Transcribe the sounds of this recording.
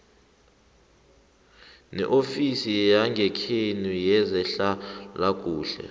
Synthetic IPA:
nɛ̰ʔofisijaŋɡʱɛkʰenujɛzɛɬalakʼuːɬɛ̰

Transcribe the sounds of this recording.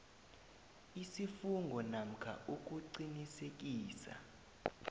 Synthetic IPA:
isifuŋɡʱɔnam̩kʰa̰ʔuk̬ʼuǀinisek̬ʼiːsa̰

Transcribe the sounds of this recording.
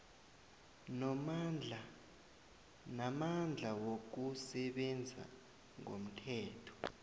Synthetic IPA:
nɔmd͡ɮa | namand͡ɮʱawok̬usɛɓɛnd͡zʱa̰ | ŋo̰m̩tʰɛːtʰɔ̥

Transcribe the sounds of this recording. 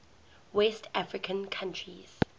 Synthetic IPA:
wɛstʰafɹɪkʰə̃nkʰãntʰɹḭz̥

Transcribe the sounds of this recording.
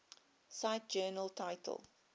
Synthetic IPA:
saɪt̚d͡ʒɜːnəltʰaɪtʰə̰lˠ

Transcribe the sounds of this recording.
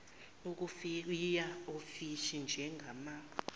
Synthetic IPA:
uk̬ufjaofiʃind͡ʒʱɛŋɡʱamaː

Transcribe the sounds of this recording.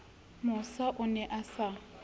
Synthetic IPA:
mʊsaʔʊnɛʔasa

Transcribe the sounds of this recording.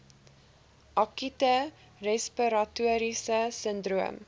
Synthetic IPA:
ʔɑkitə | rɛspiɾɐtuəɾisəsəndruəm

